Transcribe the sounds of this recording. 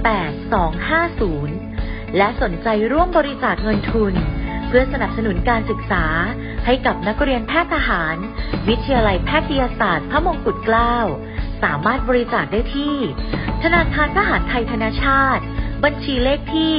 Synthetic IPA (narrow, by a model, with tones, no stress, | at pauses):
pɛː˨˩t̪̚sɔː˩˦ŋhaː˥˩suː˩˦n | lɛ˦˥ʔso˩˦nt͡ɕa˧jɾu˥˩əmbɔː˧ɾi˦˥saː˨˩k̪̚ŋɤ˧nt̪ʰu˧npʰɯ˥˩ɐsa˧na˨˩p̚sa˧nu˩˦nkaː˧nsɯ˨˩k̚saː˩˦ | ha˥˩jka˨˩p̚na˦˥k̚ɾi˧ənpʰɛː˥˩t̪ʰːa˧ɦaː˩˦n | wi˦˥t̪ʰːjaː˧la˧jpʰɛː˦˥˩t̪ʰːa˧jaː˧saː˨˩t̪̚pʰɾa˦˥mo˧ŋku˨˩t̪̚klaː˥˩w | saː˩˦maː˥˩t̪̚bɔː˧ɾi˦˥saː˨˩k̚daː˥˩jt̪ʰiː˥˩t̪ʰa˧naː˧kʰaː˧nt̪ʰa˧ɦaː˩˦nt̪ʰa˧jt̪ʰa˧naː˧˥t͡ɕʰaː˥˩t̪̚ba˧nt͡ɕʰiː˧leː˥˩k̚t̪ʰiː˥˩